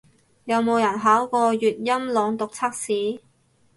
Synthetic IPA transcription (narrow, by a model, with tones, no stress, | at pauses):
jɐ˨˧wmo˨˧wjɐ˨˩nɦaː˨˥wkɔː˧jyː˨t̚jɐ˥mlɔː˨˧ŋt̪ʊ˨k̚t͡sʰaː˥k̚siː˨˥